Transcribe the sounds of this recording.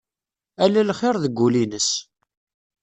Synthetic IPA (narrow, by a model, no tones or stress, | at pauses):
ælælχɪɾðəɡʷːulinəs